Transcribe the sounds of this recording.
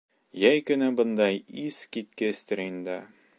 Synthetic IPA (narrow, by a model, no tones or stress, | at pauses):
jæjkɵ̆næbɤ̆nd̪ɑjiskit̪̚kɘst̪ɘ̆ɾind̪ɑ